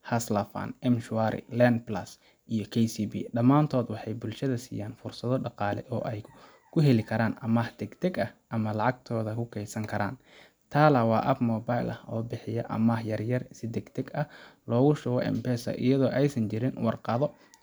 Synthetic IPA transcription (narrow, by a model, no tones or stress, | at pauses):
hɐslɐfɐ̰nɛmʃʊaɾɪ̰lɛnd̪plɐs | ʔijɞkʰɛjsiːbḭːɖɐmaːnt̪ʰɔːd̪wɑħɑjbʊlʃɐðɐsḭːjaːnfʊrsɐðɔɖɑqɑːlɛ̰ʔɔːʔɛj | kʰʊɦɛlɪkʰɐɾaːnʔɐmahd̪ɛɡt̪ʰɛɡɐʔɐmɐlɑʕɑɡ̚t̪ʰɔːðɐkʰʊkʰɛjsɐŋkʰɐɾa̰ːn | t̪ʰaːlɐwɑːʔɐbmɔːbajlʔɐhɔːbɪħɪjɐʔɐ̰mahjɐrjɐrsɪd̪ɛɡt̪ʰɛɡɐhlɔːɣʊʃʊɣɔʔɛ̰mpɛːsɐ̰ʔɪ̰jɐðɔːʔɛjsɐnt͡ʃɪɾɪnwɑrqɑðɔ